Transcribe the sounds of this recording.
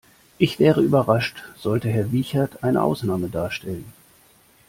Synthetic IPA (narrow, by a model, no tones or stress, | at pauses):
ʔɪçv̥ɛːʁəyːbɐʁaʃtz̥ɔltəɦɛɐviːçatʰʔaɪnə̰ʔa̰ʊsnaːmədaːɐʃtʰɛlən